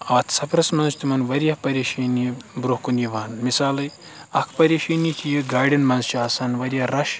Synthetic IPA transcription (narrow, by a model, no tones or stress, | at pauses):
ɐʋt̪ʰsɐpʰɾɐsmɐnzt̪imɐnʋɐɾijɐpɐɾʲeːʃɐnibɾuhkuniʋaːnmisaːlɨj | ɐkʰpɐɾʲeːʃinit̪ʰijiɡaːɖʲɐnmɐnzt͡ʃʰiaːsaːnʋɐɾijɐɾɐʃ